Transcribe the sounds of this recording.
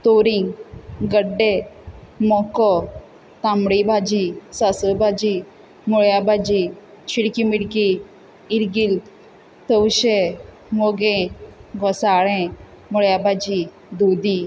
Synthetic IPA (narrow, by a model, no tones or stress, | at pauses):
t̪oɾiŋɡɡəɖːe | mɔkɔ | t̪amɽibʱad͡ʑisasəbad͡ʑi | muɭjabad͡ʑi | ɕiɽkimiɽkiː | ɾɡil | t̪əwɕe | moɡẽɡʱɔsaɭɛ̃ | muɭjabad͡ʑi | d̪ud̪i